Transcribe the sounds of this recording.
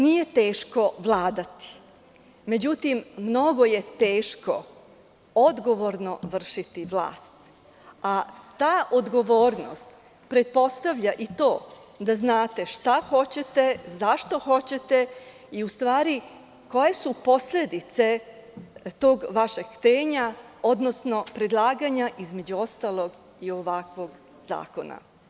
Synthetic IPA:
nije̞t̪e̞ːʃko̞ʋlˠaːd̪at̪i̥ | me̞d͡ʑut̪imːno̞ɡo̞je̞t̪eːʃko̞̰ | o̞d̪ɡo̞ʋo̞ɾno̞ʋr̩ʃit̪iʋlˠa̰ːst̪ | at̪aːʔod̪ɡo̞ʋo̞ːɾno̰st̪ | pɾe̞t̪̚po̞st̪aʋʎaʔit̪o̞ːd̪aznaːt̪e̞ʃt̪axo̞t͡ɕe̞t̪e̞zaʃt̪o̞xo̞t͡ɕe̞t̪e̞ | iust̪ʋaːɾi | ko̞je̞supo̞sle̞d̪it̪se̞ | t̪o̞ːɡʋaʃeɡkt̪eːɲa | od̪no̞sno̞pɾe̞d̪lˠaːɡaɲaʔizme̞d͡ʑuo̞st̪alˠo̞ɡ | io̞ʋakʋo̞ɡ | z̥a̰ːko̞na̰

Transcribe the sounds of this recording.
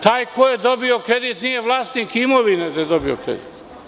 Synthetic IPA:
t̪aːjkojed̪obiokɾed̪it̪nijeʋlˠaːst̪nikimoʋined̪ajed̪obiokɾḛd̪ḭt̪

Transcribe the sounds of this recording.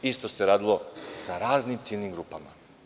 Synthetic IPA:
ist̪o̞se̞ɾaːd̪ilˠo̞saɾaːznimt̪siːlnimɡɾuːpama̰

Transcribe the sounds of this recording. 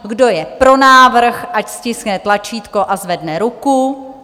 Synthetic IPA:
ɡdo̞jɛpɾo̞naːvr̩xʔacscɪsknɛt̪lat͡ʃiːt̪ko̞ʔazvɛdnɛɾuku

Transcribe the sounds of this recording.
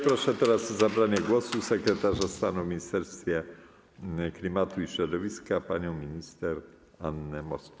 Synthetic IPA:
pɾɔʂɛt̪ɛɾasɔzabɾaɲɛɡwɔsusɛkɾɛt̪aʐast̪anumʲiɲist̪ɛɾst̪fʲjɛ | klʲimat̪uiɕɾɔd̪ɔvʲiskapaɲɔ̃w̃mʲiɲist̪ɛɾ | anːɘmɔsk

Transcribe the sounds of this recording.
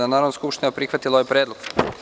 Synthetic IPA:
anaːɾod̪naskupʃt̪inapɾixʋat̪iloojpɾeːd̪lˠoɡ̥

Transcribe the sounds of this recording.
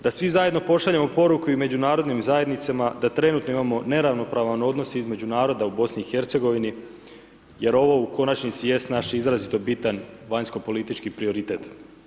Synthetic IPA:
d̪asʋizaje̞d̪no̞po̞ʃaʎemo̞po̞ɾukuime̞d͡ʑunaːɾo̞d̪nimzaje̞d̪nit̪semad̪at̪ɾe̞nut̪no̞imamo̞ne̞ɾaʋno̞pɾaʋaneo̞d̪no̞seizme̞d͡ʑunaːɾo̞d̪aubo̞sniːxe̞ɾt̪seɡo̞ʋini | je̞ɾo̞ʋo̞uko̞nat͡ʃnit̪sije̞st̪naʃizɾazit̪o̞bit̪anʋaɲsko̞po̞lit̪it͡ʃkipɾio̞ɾit̪e̞t̪

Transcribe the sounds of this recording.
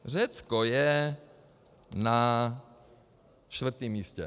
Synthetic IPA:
r̝ɛt͡skojɛ | na | ʃt̪vɾ̩t̪iːmːiːscɛ̰

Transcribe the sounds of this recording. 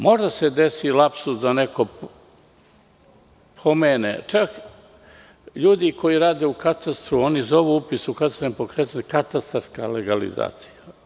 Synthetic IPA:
mo̞ʒd̪ased̪esilˠapsud̪anekʰo | pʰomeːnḛt͡ʃak | ʎuːd̪iko̞jiɾaːd̪eukat̪ast̪ɾuo̞nizo̞ʋuupisukat̪ast̪empokɾet̪akat̪ast̪aɾska̰leɡalḭza̰ːt̪si̥ja

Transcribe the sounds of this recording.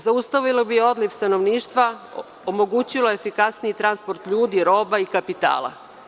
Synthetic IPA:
zaust̪aʋilobijeo̞d̪lifst̪ano̞ʋniːʃt̪ʋa | omo̞ɡut͡ɕilojefikasniit̪ɾanspo̞ɾt̪ʎuːd̪iɾo̞ːbaikapit̪a̰ːlˠa̰

